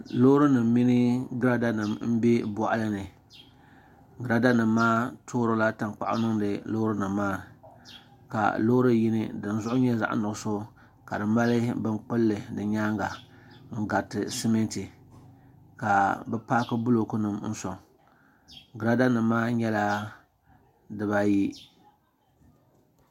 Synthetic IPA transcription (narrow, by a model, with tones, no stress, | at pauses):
lo˦ɾɨ˦nɨ˨mːi˦nɨ˦ɡɾa˦da˦nɨ˨mm̩˦be˦bɔ˨ʔa˦lɨ˦nɨ˨ | ɡɨ˨ɾa˦da˦nɨ˨mːaː˦tʰoː˦ɾo˦la˦ta˨ŋk͡pa̰˨ʔa̰˦nɨ˦ŋdɨ˨lo˦ɾɨ˦nɨ˨mːaː˦ | ka̰˨lo˦ɾɨ˦ji˦nɨ˦dɨ˨n˦zʊ˦ʔʊ˦ɲɛ˦za̰˨ʔnʊ˨ʊ˨so˦ | ka˨dɨ˨ma˦lɨ˦bɨ˦ŋk͡pɨ˦lːɨ˨dɨ˨ɲaː˦ŋɡa˨ | ŋ̩˦ɡa˨tɨ˨si˦me˦nti˨ | ka˨bɛ˦paː˦kɨ˦bʊ˦lo˨ku˦nɨ˨mn̩˦sɔ˨ŋ˨ | ɡɾa˦da˦nɨ˨mːaː˦ɲɛ˦la˦ | dɨ˨ba˦ji˦